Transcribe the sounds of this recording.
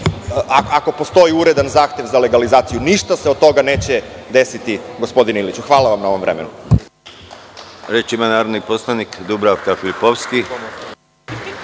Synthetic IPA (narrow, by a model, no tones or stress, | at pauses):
aako̞po̞st̪o̞iuɾe̞d̪anzaːxt̪je̞ʋzale̞ɡalizaːt̪sijuniʃt̪aseod̪̚t̪o̞ɡane̞ːt͡ɕed̪e̞sit̪iɡo̞spo̞d̪ineilit͡ɕuxʋaːlaʋamnao̞ʋo̞mʋɾʔemḛnu | ɾet͡ʃimanaːɾoniposlanikd̪ubɾaʋkafilipoʋski